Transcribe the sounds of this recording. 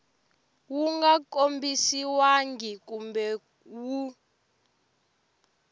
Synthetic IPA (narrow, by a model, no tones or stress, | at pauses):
wuŋɡakʼombisiwaŋɡikumbɛ | wu